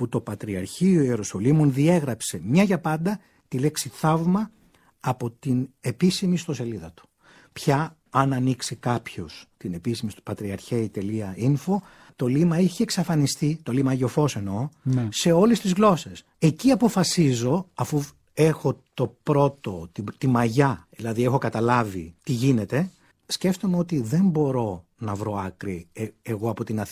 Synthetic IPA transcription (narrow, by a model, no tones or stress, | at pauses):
put̪o̞pɐt̪ɾiɐɾçioie̞ɾoso̞limunðie̞ɣɾɐpse̞mɲɐʝɐpɐnd̪ɐ | t̪ile̞ksiθɐvmɐ | ɐpo̞t̪ine̞pisimist̪o̞se̞liðɐt̪u̥ | pçɐ | ɐnɐniksikɐpço̞st̪ine̞pisimispɐt̪ɾiɐɾçeit̪e̞liɐinfo̞ | t̪o̞limɐiçeːksɐfɐnist̪it̪o̞limɐːʝofo̞se̞no̞nse̞o̞lest̪izɣlo̞se̞s | e̞ciɐpo̞fɐsizo̞ɐfu | e̞xo̞t̪o̞pɾo̞t̪o̞t̪it̪imɐʝɐðilɐðie̞xo̞kɐt̪ɐlɐvit̪iʝine̞t̪e̞ | sceft̪omeo̞t̪iðe̞mbo̞ɾo̞ | nɐvɾo̞ɐkɾieɣoɐpo̞t̪inɐθ